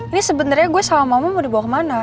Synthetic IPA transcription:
inisəbənarɲaɡuɛsalamamanmɔdihbawakmana

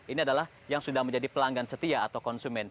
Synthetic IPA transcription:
iniadalah | jaŋsudahməɲd͡ʒadipəlaŋɡansət̪iaːt̪awkɔnsumɛn

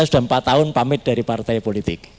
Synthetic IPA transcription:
sud̥a̤mpat̪ːaʊnpamɪt̪̚d̥aɾipart̪ajpolit̪ɪk̚

